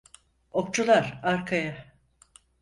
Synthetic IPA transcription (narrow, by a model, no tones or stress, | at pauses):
ok̚t͡ʃʰulˠaɾaɾkʰaja